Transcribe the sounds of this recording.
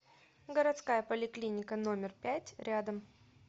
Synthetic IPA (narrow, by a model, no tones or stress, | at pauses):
ɡəɾɐt̪skajəpəlʲɪklʲinʲɪkəno̞mʲɪrpʲætʲɾʲad̪əm